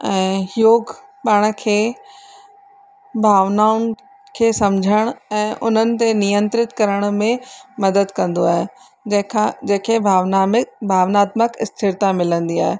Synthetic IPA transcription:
ɛ̃ːjoːɡ | paːɽ̃̆kʰeː | bʱaːʋnaːʊn | kʰeːsɐmd͡ʑʱəɽ̃ɛ̃ːʔʊn̤ənɪ̆t̪enijə̃nt̪ɾɪt̪kɐɾəɽ̃mẽmɐd̪əd̪kɐ̃nd̪oaːɦe | kʰad͡ʑɐ̃ɦkʰebʱaːʋnambʱaːʋnaːt̪məkɪst̪ʰɪɾt̪amɪlə̃nd̪iaːɦe

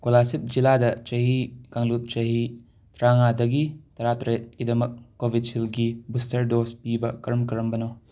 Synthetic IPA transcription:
kolasip̚d͡ʒiladɐt͡ʃɐɦikaŋlup̚t͡ʃɐɦi | tɾaŋadɐɡitɐɾatɾet̚ɡidɐmɐkːobʱid̚silɡibustɐɾdospibɐkɐɾɐmkɐɾɐmbɐno

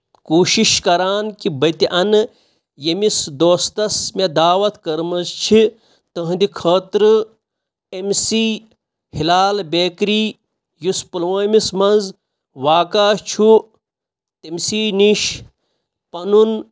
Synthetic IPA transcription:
kuːʃiʃkɐɾaːnkibɐt̪iʔɐn | jemisd̪oːst̪ɐsmed̪aːʋɐt̪kɐɾmɐzt͡ʃʰi | t̪əɦd̪ikʰɐːt̪ɾɨ | emsiː | hilaːlbeːkɾiː | juspɐlʋɐːmismɐnz | ʋaːkaːt͡ʃʰu | t̪emsiːniʃ | pɐnun

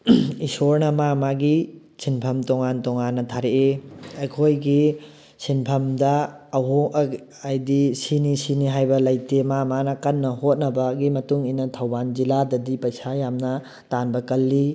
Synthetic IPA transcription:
isoɾnɐmamaɡi | sʰinpʰɐmtoŋantoŋanːɐtʰaɾeʔeekʰojɡi | sʰinpʰɐmdɐːɦo | ɐjdisinisiniɦajbɐlɐjtemamanɐkɐnːɐhot̚nɐbɐɡimɐtuŋinɐtʰɐwband͡ʒiladɐdipɐjsajamnɐ | tanbɐkɐlːi

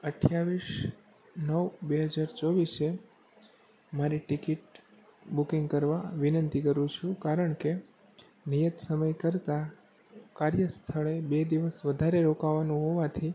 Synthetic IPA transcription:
əʈʰjaʋiʃ | nəʋbeɦəd͡ʒaɾt͡ʃɔʋise | maɾiʈikiʈ | bukĩŋɡkəɾʋaʋinənt̪ikəɾũt͡ʃʰũkaɾəɳke | nijət̪səməjkəɾt̪a | kaɾjəst̪ʰəɭebed̪iʋəsʋəd̪ʱaɾeɾokaʋanũɦoʋat̪ʰi

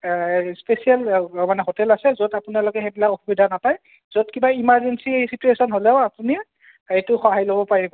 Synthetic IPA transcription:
spesialmanɛɦotɛlasɛzodapunaloɡɛxebilakoxubidʱanapaj | zodkibaimaɹzensisituesɔnɦolɛʊapuni | ejtʊxɔɦajlobɔpaɹibɔ

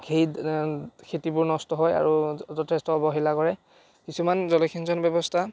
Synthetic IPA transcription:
xej | kʰetibʊɹnɔstɔɦɔja̰ɹutɔtɛstɔbɔɦilakɔɹɛ | kisumanzɔlɔkʰinzɔnbɛbɔstʰa

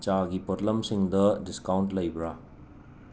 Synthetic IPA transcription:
t͡ʃaɡipotlɐmsiŋdɐdiskawntlɐjbɾa

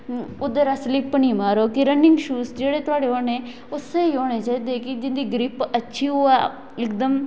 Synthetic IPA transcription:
ʊd̪eɾaslɪpniːmaːɾoːkɪɾənːɪŋɡʃuːsd͡ʒeːɽeːt̪ʊaːɽeːɦoːneː | ʊseːiːɦoːɽeːt͡ʃaːiːd̪eːkɪd͡ʒɪnd̪iːɡɾɪpətːʃʰiːɦoːa | ɪkd̪əm

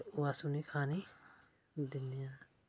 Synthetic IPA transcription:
ʋaːsuniːkʰaːni | d̪ɪnːijãː

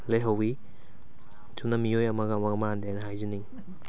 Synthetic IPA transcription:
lejɦɐwi | tunɐmiojɐmɐɡɐːmɐɡɐmɐand̪eanɐɦajzini

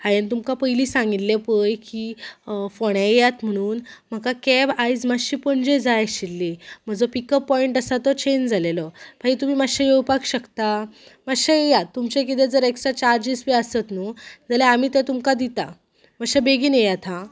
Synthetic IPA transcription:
hajənt̪umkapəjliːsãŋɡit̪lepəjkifoɽ̃ãjat̪m̤əɽ̃uːnm̤əkakɛbajd͡zmaɕipəɳd͡ʑed͡zajaɕilːim̤əd͡zɔpikəpːɔiɳʈəsat̪ɔt͡ɕend͡zʱalelɔpait̪um̤iːmaɕajewpakɕəkt̪amaɕaejat̪ːumt͡ɕẽk̬it̪̬ɛd͡zəɾeksɾat͡ɕaɾd͡ʑispiəsət̪nod͡zaljaam̤iːt̪ɛ̃t̪umkad̪it̪a̰ | məɕabeɡiːnjejat̪ʰa

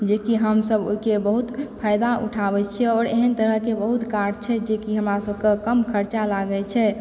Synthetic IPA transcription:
d͡ʒekiɦəmsəbo̰ikebəɦut̪pʰajd̪aʔṵʈʰabɛt͡ʃʰɛɔːɾḛɦənt̪əɾəɦkebəɦut̪kaɾɖt͡ʃʰɛd͡ʒekiɦəmɾasəbʱkekəmkʰəɾt͡ʃalaɡɛt͡ʃʰɛ

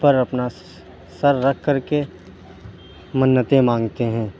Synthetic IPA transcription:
pəɾɐpna | sɐɾːɐkʰkəɾke | mənːət̪ẽmãːŋɡt̪eɦɛ̃ː

